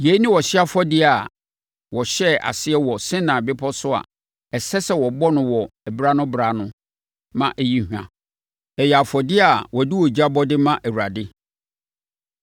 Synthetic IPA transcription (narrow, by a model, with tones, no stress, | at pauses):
je˨˦nɪ̃˦wɔ˨ɕɪ˦a˦fɔ˦dɪ˦a˨ | wɔ˨ɕɛ˦ʔa̰˨sɪ˦ɛ˦wɔ˨sɪ̃˦nã˨bɪ˦pʰɔ˦sʊ˦a̰˨ | ɛ˨sɛ˦sɛ˨wɔ˨bɔ˦nʊ̃˨wɔ˨ɛ˨bɾa˦nʊ̃˦bɾa˨˦nʊ̃˦ | mã˦ʔɛ˨ji˦hu˨ã̰˨ | ɛ˨jɛ˨a˨fɔ˨dɪ˦a˨wɔ˨di˦wɔ˨d͡ʑi˦a˦bɔ˦dɪ˦mã˦ʔæ˨wu˨ɾa˨dɪ˦